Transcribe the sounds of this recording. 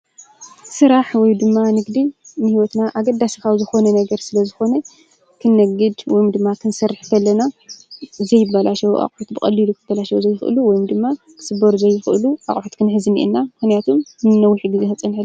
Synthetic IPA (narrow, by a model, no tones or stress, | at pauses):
sɨɾaħwɔjd̪ɨmːanɨɡd̪inɨhiwɔt̪naʔaɡɐd̪ːasikʰawzɨxo̞nɐnɐɡɐɾsɨlɐzɨxo̞nɐ | kʰɨnːɐɡɨd̪wɔjumd̪ɨmːakʰɨnsɐɾːɨħkʰɐlːɐna | zɐjɪbalaʃɐwuʔa̰χʼʕot̪̚bɨkʼɐlːilukʰɨbalaʃɐwuzɐjɪxɨ̰luwɔjumd̪ɨmːa | kʰɨ̥sɨbːɐɾuzɐjːɪxʔɨluʔa̰χʼʕot̪kʰɨnħɨzɨnḭʔɨ̰nːamɨxnijat̪ʰumɨnːɐwːɨħiɡizexɐt͡sʼɐnħɨ